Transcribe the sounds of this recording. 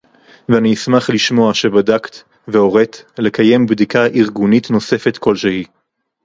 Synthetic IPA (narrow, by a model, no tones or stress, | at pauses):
veaniismaχliʃmo̞aʃe̞badakt̪ | veo̞ʁe̞tle̞kaje̞mbd̪ikaʔiʁɡunitno̞se̞fet̪kʰo̞lʃehi